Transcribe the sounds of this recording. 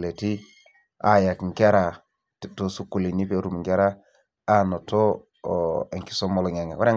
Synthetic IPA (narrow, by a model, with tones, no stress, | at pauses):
le˨ti˦ | a̰˦ja˨kŋ˨ka˦ɾa˨ | tto˦su˦ku˦˨li˨ni˦pe˦˨ɾu˨m˨ŋɡe˦ɾaː˦ | no˨to˦˨ | e˨ŋki̥˦so˦mɔ˦lɔ˨ŋe˨ŋe˨wa˦ɾe˦